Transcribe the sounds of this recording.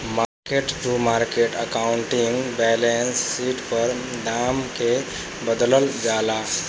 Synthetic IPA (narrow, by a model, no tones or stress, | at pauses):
maɾkeʈʈɾumaɾkeʈə̰kaʊɳʈiŋɡbɛlensːiʈpəɾ | d̪amke | bəd̪ləld͡ʒala